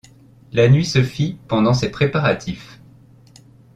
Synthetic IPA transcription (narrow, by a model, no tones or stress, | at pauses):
lanɥisəfipɑ̃d̪ɑ̃sepχepaʁat̪ʰif